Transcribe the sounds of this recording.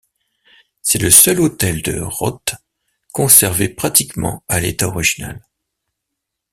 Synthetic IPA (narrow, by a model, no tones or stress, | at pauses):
sɛləsœlot̪ɛld̪ə̰ʁɔ̰t̪ | kɔ̃sɛʁvepχat̪ikmɑ̰̃alet̪aɔʁiʒina̰l